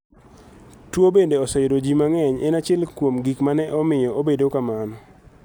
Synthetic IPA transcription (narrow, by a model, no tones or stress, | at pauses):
twobendeɔsɛjɾod͡ʒimaŋɛɲɛ̰nat͡ʃɛlkwomɡikmanɛʔɔmɪjɔobedokamanɔ